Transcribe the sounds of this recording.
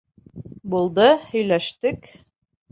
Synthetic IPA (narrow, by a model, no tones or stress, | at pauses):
bulˠd̪ɤhɵ̆jlæʃt̪ɘk